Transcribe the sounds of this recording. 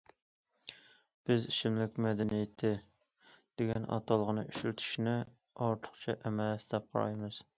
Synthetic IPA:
b̥ɪziʃɪmlɪkʲmɛd̪ɛnijɪt̪ʰːɪ | d̪̥eɡʲɛnʔɑ̰t̪ʰɑlˠəʁənɨʔyʃɾyt̪ʰy̥ʃnɪ | ɑɾt̪ʰʊ̥χt͡ʃʰɛʔɛmɛsd̪ɛp̚qʰɑ̰ɾɑ̰jmɨz̥

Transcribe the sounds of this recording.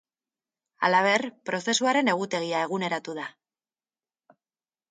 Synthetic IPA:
a̰laβ̞e̞rpɾo̞se̞suaɾe̞ne̞ɣ̞ut̪e̞ɣ̞iae̞ɣ̞une̞ɾat̪uða

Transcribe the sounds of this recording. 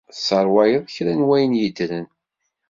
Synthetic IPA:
səɾˤwæjəðˤçɾænwæjənjid̪ɾən

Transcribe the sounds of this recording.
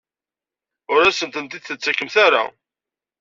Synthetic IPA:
ʊɾæsənt̪ənt̪id̪θət͡sːækːəmθaɾa̰

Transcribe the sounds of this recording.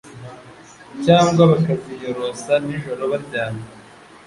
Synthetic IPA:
caːŋɡwaβakazijo̞ɾo̞saniʒo̞ɾo̞βaɾɟaːna

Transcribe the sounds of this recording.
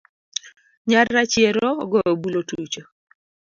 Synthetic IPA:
ɲarːat͡ʃjeɾoɡɔbulotut͡ʃo

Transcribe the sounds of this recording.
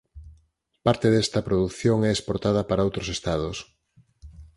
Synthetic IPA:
paɾt̪eðɛst̪ɐpɾoðukθjoŋɛespoɾt̪aðɐpaɾɐowt̪ɾosest̪að̞os

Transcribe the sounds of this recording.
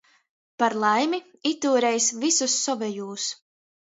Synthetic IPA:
paɾlˠajmi | it̪uːɾɛjsvisusːɔvɛjuːs

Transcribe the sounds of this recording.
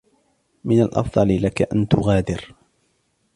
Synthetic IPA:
mɪnalʔɑ̰fd̪ˤɑlɪlakaʔant̪ʊɣaːd̪ɪɾ

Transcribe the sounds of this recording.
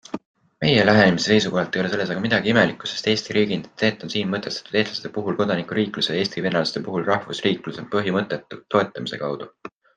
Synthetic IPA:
me̞jelæɦe̞nemisese̞jsuko̞ɦɑlt̪ːˑe̞jo̞le̞se̞lːe̞s̬ɑɡ̥ɑmid̪̥ɑɡ̥iime̞likːˑu̥se̞st̪e̞ːst̪iɾʔiːɡ̥int̪ːse̞ːt̪ːˑo̞nsiːnmɤt̪ːˑe̞st̪ɑ̥t̪ːˑud̪̥e̞st̪lɑse̥t̪ːepuɦulko̞d̪ɑnikˑuɾiːkˑlusejɑe̞ːst̪ivenɑlɑst̪epuɦulrɑhvusriːkluse̞pɤɦimɤt̪ːˑe̞t̪ːˑut̪ːo̞e̞t̪ːˑɑmise̞̰kɑwd̪̥u

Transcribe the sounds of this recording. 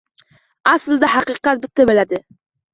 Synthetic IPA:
aslˠd̪ahɑqɨqɑt̪̚bɪt̪ʰːabɪlad̪ɪ

